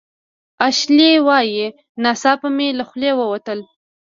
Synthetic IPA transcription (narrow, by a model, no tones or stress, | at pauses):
aʃlewɑje | nasɑpəmelaxlewəwat̪əl